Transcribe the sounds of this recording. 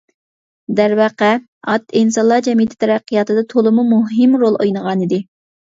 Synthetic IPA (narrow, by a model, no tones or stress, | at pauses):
d̪æɾwɑqɛ | ɑt̪insɑnlˠɑd͡ʒɛmijɪt̪ʰɪ̥t̪ʰɛɾæqʰːijɑt̪ɨd̪ɑt̪ʰolˠɨmumuɦɪmɾolˠojnəʁɑnid̪ɪ